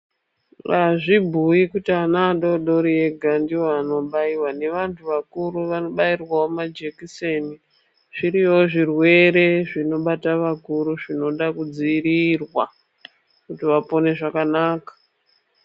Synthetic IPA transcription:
ʋaʐibʱujikutianaɗo̞ɗo̞ɾie̞ɡʱandiwoano̞ɓaiwane̞ʋantʰuʋakuɾuʋano̞ɓairwaomad͡ʒekise̞ni | ʐ̥iɾijo̞ʐirwe̞ɾe̞ʐino̞ɓataʋakuɾuʐino̞ɗakud͡ziːɾirwa | kutiʋapo̞ne̞ʐakanaːkḁ

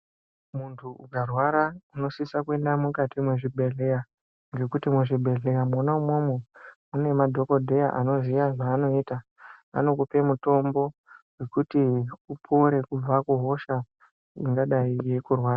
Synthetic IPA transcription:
muntʰuṵɡarwaɾauno̞sisakue̞ndamukatʰimweʐibʱe̞ɮe̞ja | ŋɡe̞kutimweʐibʱe̞ɮe̞jamonaumomomune̞madʱo̞ko̞dʱe̞jaʔano̞ziʋaʐaːno̞iːta | a̰no̞kupe̞muto̞mbo̞we̞kutiupʰoɾe̞kub͡vakuɦo̞ʃa | iŋɡaɗaijekurwaːɾa

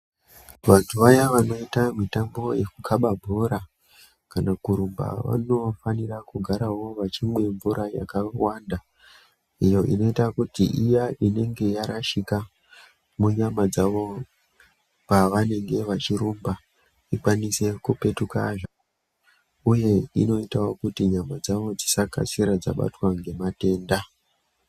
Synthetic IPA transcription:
ʋatuʋajaʋano̞itamitambo̞je̞kukʰaɓabʱuɾa | kanakuɾumba̰ʋa̰no̞fanirakuɡʱaɾawo̞ʋat͡ʃimwe̞ɱvuɾaja̰kawanda | ijo̞ʔḭno̞itakutiʔijaʔine̞ŋɡe̞jaɾaʃika | muɲamad͡zaʋo̞ | paʋane̞ŋɡe̞ʋat͡ʃiɾumba | ikwanise̞kupe̞tuka̰ʐo | uje̞ino̞itawokutiɲamad͡zaʋo̞d͡zisaka̰siɾad͡za̰ɓa̰twaŋɡe̞mate̞ːnda

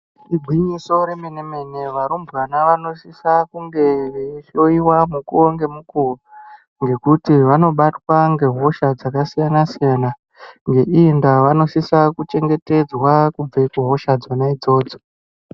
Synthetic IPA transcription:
iɡʱwiɲiso̞ɾemeneme̞ne̞ʋaɾumbwanaʋano̞sisakuŋɡe̞ʋeʃo̞iwamukuoŋɡe̞mukuro | ŋɡe̞kutiʋano̞ɓatwaŋɡe̞ɦo̞ʃad͡zakasijanasijana | ŋɡe̞ʔindaʋano̞sisakut͡ʃe̞ŋɡe̞te̞d͡zwakub͡veikuɦo̞ʃad͡zonaid͡zo̞ːd͡zo

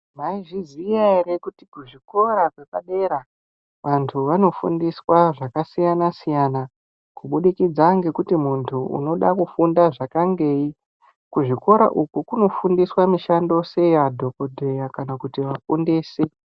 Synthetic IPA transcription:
maiʐiziaiɾekutikuʐiko̞ɾakwe̞kaɗe̞ɾa | ʋantʰuʋano̞fṵndiswaʐakasijanasijana | kuɓuɗikid͡zaŋɡe̞kutimuntʰuṵno̞ɗakufundaʐakaŋɡe̞ːi | kuʐiko̞ɾa̰ʔukukuno̞fundiswamiʃando̞se̞jadʱo̞ko̞dʱe̞jakanakutiʋafundeːse

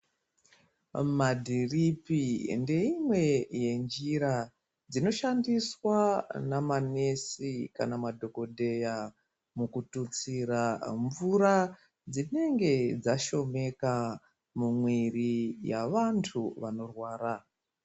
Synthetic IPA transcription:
madʱiripinde̞imwe̞je̞nd͡ʒiɾa | d͡zino̞ʃandiswanamane̞sika̰namadʱo̞ko̞dʱe̞ja | mukutut͡siraɱvuɾa | d͡zine̞ŋɡe̞d͡zaʃo̞me̞ka | mumwirija̰ʋantʰuʋano̞rwaːra

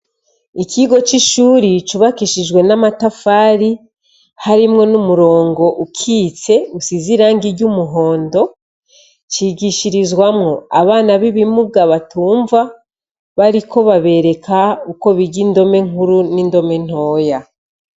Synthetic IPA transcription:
ikiɡo̞t͡ʃiʃuːɾit͡ʃuβakiʃid͡ʒwe̞namatafaːɾi | haɾimŋo̞numuɾo̞ːŋɡo̞ʔukʰiːt͡se̞usiziɾaːŋɡiɾɟumuɦo̞ːndo̞ | t͡ʃiɡiʃiɾizɡwamŋo̞aβaːnaβiβimuɡaβatuːɱva | βaɾikʰo̞βaβe̞ɾe̞kauko̞βiɟindo̞me̞ŋuɾunindo̞me̞n̥o̞ːja

